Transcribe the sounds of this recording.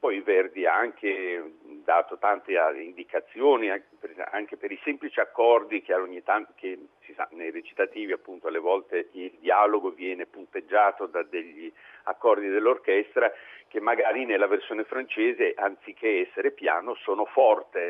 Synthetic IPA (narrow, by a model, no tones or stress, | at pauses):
pɔjilvɛrd̪iaaŋk̟ʰed̪aːt̪ot̪ant̪eaḭnd̪ikat̪sːjoːniapea̰ŋkepeɾisɛmplit͡ʃiakːɔrd̪ik̟eaoɲːit̪ankesisa̰nejret͡ʃi̥t̪at̪iːviapːunt̪oalevɔlt̪eild̪iaːloɡovjɛːnepunt̪ed͡ʒːaːt̪od̪ad̪eʎːia̰kːɔrd̪id̪elːorkɛst̪ɾak̟emːaɡaːɾinelːaversjoːnefɾant͡ʃeːzeʔant̪sikʰːeɛsːeɾepja̰ːnosoːnofɔrt̪e